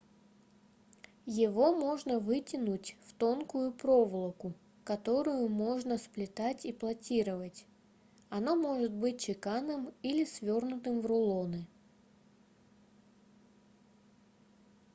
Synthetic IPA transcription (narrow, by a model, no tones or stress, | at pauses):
jɪvo̞mo̞ʐnəvɨtʲɪnʊtʲft̪o̞nkʊjʊpɾovlˠəkʊ | kɐt̪o̞ɾʊjʊmo̞ʐnəsplʲɪt̪atʲiplˠɐtʲiɾəvətʲ | ɐno̞mo̞ʐɨt̪̚bɨt̚ʲt͡ɕɪkanəmilʲɪsvʲornʊt̪ɨmvrʊlˠo̞nɨ